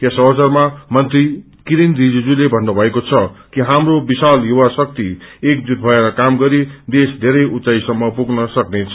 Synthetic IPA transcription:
jasʌbʌsʌrmamʌnt̪ri | kiɾindid͡zud͡zulebʱʌnːubʱʌekot͡sʰʌkiɦamrobisaljuwasʌk̚t̪iek̚d͡zud̪̚bʱʌeɾʌkamɡʌɾid̪esd̪ʱeɾʌjut͡saisʌmːʌpuɡnʌsʌknet͡sʰʌ

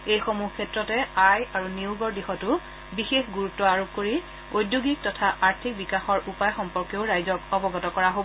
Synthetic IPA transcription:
ejxomukʰːɛtɹɔtɛajaɹuniuɡɔɹdixɔtʊ | bixexɡuɹutːɔaɹop̚koɹi | ojdjuɡik̚tɔtʰaʔaɹtʰik̚bikaxɔɹʔupajxɔmpɔɹkjoʊɹajzɔkɔbɔɡɔtɔkɔɹaɦobɔ

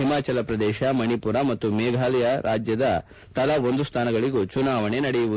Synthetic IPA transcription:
ɦimaːt͡ʃɐlɐpɾɐd̪ɛːʃɐmɐnipuɾɐmɐt̪ːumɛːɡʱaːlɛjɐɾaːd͡ʒjɐd̪ɐ | t̪ɐlɐo̞nd̪ust̪ʰaːnɐɡɐɭiɡut͡ʃunaːʋɐɳe̞nɐɽɛjuʋu

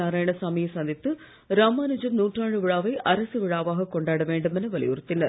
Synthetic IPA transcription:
aːɾaːjɐɳɐsaːmijɐsɐnd̪ʱit̪ːɯ | ɾaːmaːnud͡ʒɐmnuːʈraːɻɯʋɪɻaːʋɐɪʔɐɾɐsɯʋɪɻaːʋaːɣɐkɔɳɖaːɽɐʋeːɳɖɯmenɐʋɐlḭjṵːɾɐt̪ːɪlːɐ

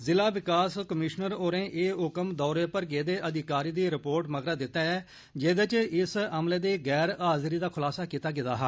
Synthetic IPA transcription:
zɪlaːʋɪkaːskəmɪʃnəɾoːɾẽːʔeːɦʊkəmd̪ɔːɾeːpəɾɡeːd̪eːʔəd̪ɪkaːɾiːd̪iːɾɪpoːɾʈməɡɾaːd̪ɪt̪ːaːɛː | d͡ʒeːd̪ət͡ʃɪsəmleːd̪eːɡɛːɾaːzɾiːd̪aːkʰʊlaːsaːkiːt̪aːɡɪt̪a̰ːɦaː

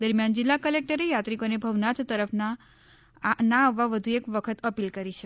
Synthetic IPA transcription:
d̪əɾmjand͡ʒɪlːakəlek̚ʈəɾejat̪ɾikonebʱəʋnat̪t̪əɾəfʰna | naːʋːaʋəd̪ʱuekʋəkʰət̪əpilkəɾit͡ʃʰe

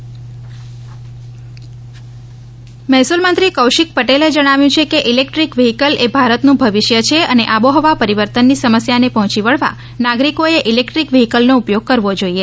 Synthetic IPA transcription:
mɛɦsulmənt̪ɾikəwʃik̚pəʈeled͡ʒəɽ̃aʋjũt͡ʃʰekeʔilek̚ʈɾikʋiɦikəlʔebʱaɾət̪nũbʱəʋiʃjət͡ʃʰeəneʔaboɦɔʋapəɾiʋəɾt̪ənːisəməsjanepɔɦɔ̃t͡ʃiʋəɭʋa̰ | naɡɾikoeʔilekʈɾikʋiɦikəlnoupjoɡ̚kəɾʋod͡ʒoie

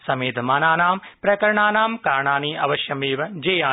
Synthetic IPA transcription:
sɐmeːt̪maːnaːnaːmpɾɐkɐɾɐɳaːnaːmkaːɾɳaːniːɐ̰ʋɐʃjɐmeːʋɐd͡ʒeːjaː

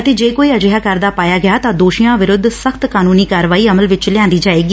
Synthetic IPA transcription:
ət̪eːd͡ʒeːkoːiːəd͡ʒɦaːkəɾd̪aːpaːjaːɡɪjaːt̪ãːd̪oːʃijãːʋɪɾʊd̪ʱːsəkʰt̪kaːnuːniːkaːɾʋaːiːəməlʋɪt͡ʃlɪjãːnd̪iːd͡ʒaːeːɡi

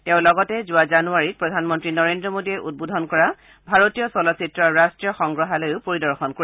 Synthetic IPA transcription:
tɛʊ̃lɔɡɔtɛzʊwazanuaɹit̚pɹɔdʱanmɔntɹinɔɹendɹɔmodiɛʔud̚bodʱɔnkɔɹa | bʱaɹotijɔsɔlɔsitɹɔɹɹastɹijɔxɔŋɡɹɔɦalojʊpoɹidɔɹxɔnkoi

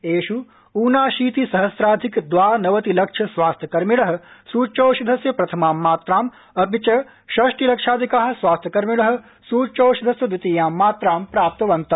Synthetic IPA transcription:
eːʃu | uːnaːʃiːt̪isɐɦɐsɾaːd̪ʱikd̪ʋaːnɐʋɐt̪ilɐkʂʰɐsʋaːst̪ʰjɐkɐɾmiɽɐɦɐ̆suːt͡ʃoːʃid̪ʱɐsjɐpɾɐt̪ʰɐmaːmːaːt̪ɾaːm | ɐpit͡ʃɐ | ʃɐʂʈilɐkʂʰaːd̪ʱikaːɦɐ̆sʋaːst̪ʰjɐkɐɾmiɽɐɦɐ̆ | suːt͡ʃoːʃid̪ʱɐsjɐd̪ɪt̪iːjaːmːaːt̪ɾaːmpɾaːp̚t̪ɐʋɐnt̪ɐ

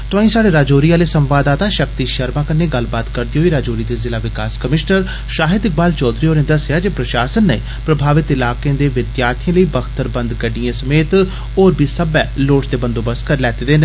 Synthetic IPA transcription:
ʈ̪õːĩːsaːɖeːɾaːd͡ʒoːɾiːaːleːsə̃mʋaːd̪aːt̪aːʃək̚t̪iːʃəɾmãːkənːeːɡəlbaːt̪kəɾd̪iːɦoːiːɾaːd͡ʒoːɾiːd̪eːzɪlaːʋɪkaːskəmɪʃnəɾ | ʃaːɦɪd̪ɪk̚baːlt͡ʃɔːd̪ɾiːoːnẽːd̪əsjaːd͡ʒeːpɾəʃaːsənːəḭ̃ː | pɾəbʱaːʋɪt̪ɪlaːkeẽːd̪eːʋɪd̪jaːɾt̪ʰijãːləiːbəɡʰt̪əɾbə̃nd̪ɡəɖijãːsəmeːt̪ | oːɾbʱiːsəbɛːloːʈt̪eːbə̃nd̪oːbəskəɾlɛːt̪eːd̪eːn

